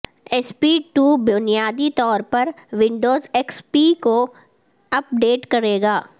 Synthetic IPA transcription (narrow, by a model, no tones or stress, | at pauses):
ɛspiːʈuːbʊnijaːd̪it̪ɔːɾpɐɾʋɪ̃ɳɖoːzɛːkspiːko | ɐp̚ɖeːʈkɐɾeːɡaː